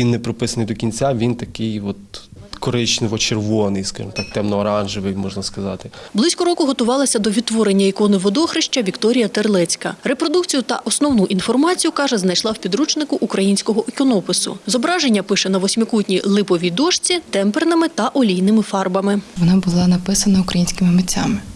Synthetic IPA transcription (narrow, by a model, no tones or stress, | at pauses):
ʋʲinːepɾɔpɪsɐnɪjd̪ɔkʲinʲt͡sʲaʋʲint̪ɐkɪjɔt̪̚ | kɔɾɪt͡ʃnɪʋɔt͡ʃerʋɔnɪjskɑ̰ʒɪ̰mt̪ɑk̚t̪ɛmnɔːɾɑnʒɪʋɪjmɔʒnɐskɐzɑt̪ɪblˠɪsʲkɔɾɔkʊɦɔt̪ʊʋɑlˠɐsʲɐd̪ɔʋʲid̪̚t̪ːʋɔɾenʲːɐikɔnɪʋɔd̪ɔxɾɪʃt͡ʃɐʋʲikt̪ɔɾʲijɐt̪erlˠɛt͡sʲkɐɾepɾɔd̪ukt͡sʲijʊt̪ɐ̰ʔɔsnɔwnuʔinfɔrmɑt͡sʲijʊkɑʒɛznɐjʃlˠɑwpʲid̪ɾut͡ʃnɪkʊʔukɾɐjinʲsʲkɔɦɔʔekɔnɔpɪsʊ̰zɔbɾɑʒenʲːɐpɪʃɛnɐʋɔsʲmʲɪkutʲnʲilˠɪpɔʋʲid̪ɔʃt͡sʲit̪ɛmpernɐmɪt̪ɐʔɔlʲijnɪmɪfɑrbɐmɪʋɔnɑbʊlˠɪnɐpɪsɐnɐʊkɾɐjinʲsʲkɪmɪmɪt͡sʲːamɪ